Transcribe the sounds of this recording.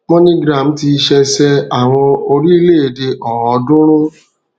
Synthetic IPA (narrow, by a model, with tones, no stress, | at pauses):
mɔ̃˦nĩ˦ɡɾa˨m̩˦ti˧ʃɛ˧sɛ˧a˨w̃ɔ̃˧o˧ɾi˦i˧le˦˨e˨de˧ʔɔ˨ɔ˨˦dʊ̃˦ɾ̃ũ˦